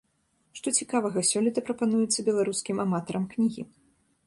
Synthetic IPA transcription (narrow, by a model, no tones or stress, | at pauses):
ʂt̪ɔt͡sʲikavɐɣɐsʲɔlʲit̪ɐpɾɐpanujɛt̪sːɐbʲɛlˠaɾuskʲimamat̪ɐɾɐmknʲiɣʲḭ